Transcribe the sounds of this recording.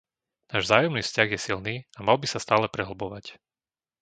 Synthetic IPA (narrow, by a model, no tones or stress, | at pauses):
naːʒzaːjɔmniːfscaɣjɛsilniːamalbisast̪aːlɛpɾɛɦl̩bɔʋac